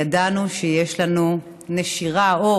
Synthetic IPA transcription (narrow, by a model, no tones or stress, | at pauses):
adanuʃejeʃlanu | neʃiʁao